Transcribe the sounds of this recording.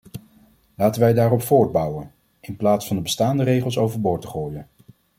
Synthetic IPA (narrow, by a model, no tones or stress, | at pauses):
laːtənʋɛjdaːɾɔpfʊːɹd̚bʌwən | ɪnplaːtsfɑndəbəstaːndərejχəlˠsowvəɹbʊːɹtə̥χoːjən